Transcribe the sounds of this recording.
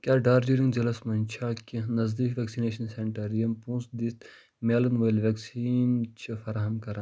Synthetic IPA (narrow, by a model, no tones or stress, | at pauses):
kʲaːɖaːɾd͡ʒiɾĩŋd͡ʒɐlɐsmɐnʲt͡ʃʰaːkʲinɐzd̪iːkʋeksineːʃɐnseɳʈɐɾijɐmpũːsd̪it̪ | meːlɐnʋɐjlʋeksiːnt͡ʃʰifɐɾaːɦɐmkɐɾa